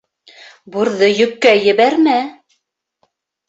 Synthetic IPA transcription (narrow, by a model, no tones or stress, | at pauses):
buɾðɤjɵ̆kːæjɘ̆βæɾmæ